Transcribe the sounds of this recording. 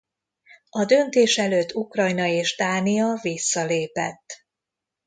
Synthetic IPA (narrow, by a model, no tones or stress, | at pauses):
ɒd̪ø̞nt̪eːʃɛløːt̪ːukrɒjnɒeːʒd̪aːniɒvisːɒleːpɛ̰t̪ː